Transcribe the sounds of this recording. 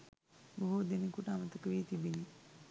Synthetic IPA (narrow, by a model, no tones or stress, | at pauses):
boɦud̪enikuʈaamət̪əkəʋiːt̪ibini